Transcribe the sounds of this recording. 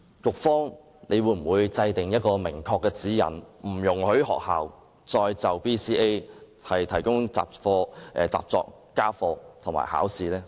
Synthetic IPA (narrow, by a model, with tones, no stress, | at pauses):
kʊ˨k̚fɔː˥ŋ | ne˨˧jwuː˨˧˥m̩˨˩wuː˨˧jt͡sɐ˧jt̪ɪ˨ŋjɐ˥t̚kɔː˧mɪ˨˩ŋkʰɔː˧kːɛː˧t͡siː˨˥jɐ̰˨˩nm̩˨˩jʊ˨˩ŋhɵ˨˥ɥɦɔ̰ː˨k̚haː˨w | t͡sɔː˧jt͡sɐ˨wpiː˥siː˥e˥j | hɐ˨jt̪ʰɐ˨˩jkʊ˥ŋt͡sa̰ː˨p̚fɔː˧ʔɛ˨˧t͡sa̰ː˨p̚t͡sɔ̰ː˧k | kaː˥fɔː˧t̪ʰʊ˨˩ŋma̰ː˨˩ha̰ː˨˥wsiː˧lɛː˥